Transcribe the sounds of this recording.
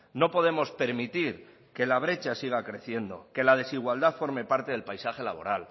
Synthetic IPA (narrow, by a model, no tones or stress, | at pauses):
no̞po̞ð̞e̞mo̞spe̞ɾmit̪iɾ | ke̞laβ̞ɾe̞t͡ʃasiɣ̞akɾe̞θje̞nd̪o̞̰ke̞lað̞e̞siɣwald̪aθfo̞ɾme̞paɾt̪e̞ð̞e̞lpajsaxe̞laβ̞o̞̰ɾal